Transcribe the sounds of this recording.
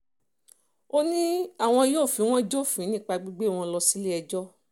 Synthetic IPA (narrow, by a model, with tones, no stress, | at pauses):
o˦nĩ˦a˦˨w̃ɔ̃˧jo˦˨fĩ˨˦w̃ɔ̃˦d͡ʒo˦˨fĩ˨˦nĩ˦˨k͡pa˧ɡ͡bi˦ɡ͡be˦˨w̃ɔ̃˧lɔ˧si˦le˦ɛ˧d͡ʒɔ˦